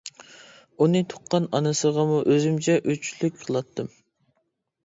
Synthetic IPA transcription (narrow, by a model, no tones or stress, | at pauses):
unɨt̪ʰʊ̥qːɑnɑnɨsəʁɑmuʔøzymt͡ʃʰɛʔøt͡ʃʰlyk̚ʲqʰəlˠɑt̪ʰːɨm